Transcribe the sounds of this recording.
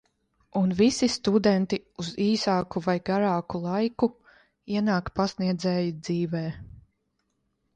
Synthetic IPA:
unvisist̪ud̪ɛnt̪iuziːsaːkuvajɡaɾaːkulˠajku | iɛnaːkpasniɛd̪zɛːjid̪ziːvɛː

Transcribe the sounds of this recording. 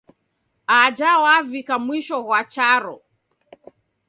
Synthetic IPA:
ad͡ʒawavikamwiʃɔɣwat͡ʃaɾɔ

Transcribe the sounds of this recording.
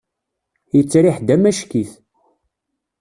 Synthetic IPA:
jət͡sːɾiħd̪æmæʃkiθ

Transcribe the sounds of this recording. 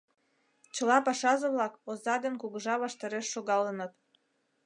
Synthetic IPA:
t͡ɕəlɑpɑʃɑʒə̆βlɑkozɑd̪ənkuɣəʒɑβɑʃt̪ɑɾeʃːoɣɑlənɤt̪

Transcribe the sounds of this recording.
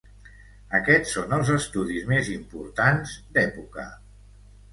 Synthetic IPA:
əkɛt͡sːonəlˠzəst̪uðizmezimpuɾt̪anzd̪ɛpukə̰

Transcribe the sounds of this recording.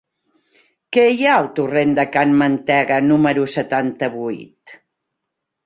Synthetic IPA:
kejaəlˠt̪urend̪əkanmənt̪ɛɣənuməɾusət̪ant̪əβujt̪

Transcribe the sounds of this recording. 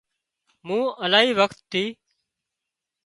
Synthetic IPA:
mũːəlaːɦiːʋəkt̪ʰːiː

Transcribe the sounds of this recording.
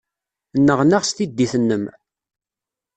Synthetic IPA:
nːəʁnaʁst̪id̪ːiθənːəm

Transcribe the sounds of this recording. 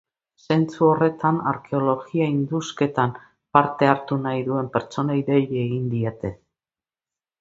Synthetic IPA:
se̞nt͡suo̞re̞t̪ana̰ɾkʰe̞o̞lo̞ɣiaind̪uske̞t̪am | paɾt̪e̞aɾt̪unajðue̞mpe̞ɾt͡so̞naiðe̞ʎeeɣind̪iet̪e̞

